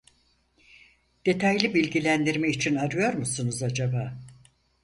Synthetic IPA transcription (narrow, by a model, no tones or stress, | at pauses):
d̪̥e̞t̪ʰajlʲibilʲɟilʲænd̪iɾmɛit͡ʃʰinaɾɯjo̞ɾmusunuzad͡ʒabaː